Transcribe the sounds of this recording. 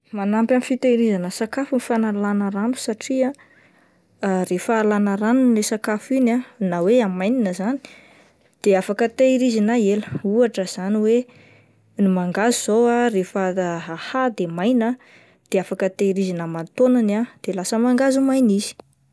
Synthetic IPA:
manampʲamifit̪eɾizanəsakafunifanalanəɾanu̥saʈ͡ʂia | refaːlanəɾanunlesakafinanaweamajninəzani̥ | d̪̥eafakət̪eɾizinaeləuaʈ͡ʂəz̥aniwe | nimaŋɡazuz̥owarefəahad̪emajnə | d̪̥eafakət̪ejɾizinəmant̪onanad̪̥elasəmaŋɡazumajnizi̥

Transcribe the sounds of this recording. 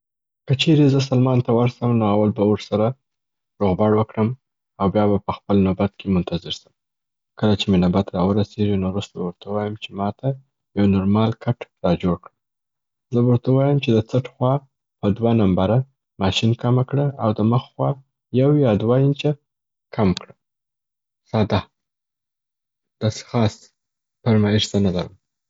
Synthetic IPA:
kət͡ʃeɾezəs̬almɑnt̪awaɾsəmnoawalbawəɾsaɾa | ɾoɣbɑɽwəkɽəm | awbjɑbapəxpəlnobat̪kʰemʊnt̪azɪɾsəm | kəlat͡ʃemɪnabat̪ɾɑwəɾaseɡinoɾust̪abawɾt̪ʰawɑjəmt͡ʃemɑt̪ʰa | jawnoɾmɑlkʰaʈɾɑd͡ʒoɽkɽə | zəbəɾt̪awɑjəmt͡ʃed̪ət͡saʈxwɑ | pəd̪wanambaɾa | mɑʃinkamakɽəawd̪əməxxwɑ | jawjɑd̪wajɪnt͡ʃa | kʰamkɽə | sɑd̪a | d̪̥ɑse̥xɑs | paɾmɑɪʃt̪analaɾəm

